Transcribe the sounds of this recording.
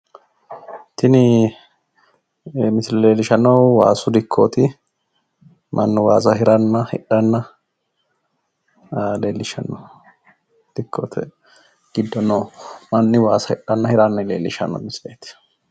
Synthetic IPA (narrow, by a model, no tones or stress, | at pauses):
t̪ɪnɪ | mɪsɪlɛleːlːɪʃɐnɐwwa̰ːsʊd̪ɪkʰːoːt̪ɪ | mʔɐnːɔwaːsɐhɪɾɐnːɐhɪ̰ᶑɐnːɐ | leːlːɪʃɐ̰nːɐw | d̪̥ɪkʰːoːt̪ʰɛ | ɡ̥ɪd̪ːɔnomɐnːɪwaːsɐhɪ̰ᶑɐnːɐhɪɾɐnːɐlḛːlːɪʃɐ̰nɔ̰mɪsleːt̪ɪ̥